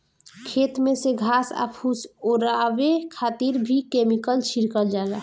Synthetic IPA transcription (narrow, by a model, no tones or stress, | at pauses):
kʰet̪meseɡʱaːsa̰pʰusoɾabekʰaːt̪iɾbʱikemikəlt͡ʃʰiɾkəld͡ʒala